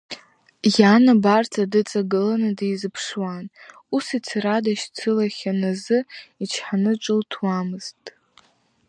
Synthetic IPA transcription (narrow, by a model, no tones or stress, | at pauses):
janabartʰʼadɨt͡sʼaɡɨlanɨdijzɨpʰʂwan | usit͡sʰradaʃt͡sʰɨlaχʲanazɨit͡ʃʰħanɨʈ͡ʂʷʼɨltʰwamɨz̥tʼ